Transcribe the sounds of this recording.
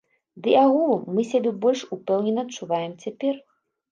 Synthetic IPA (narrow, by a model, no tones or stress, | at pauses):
d̪ɨaɣulˠumːɨsʲabʲɛbɔlʲʂupɛwnʲɛnːɐːtt͡ʂːuvajɛmt͡sʲapʲɛr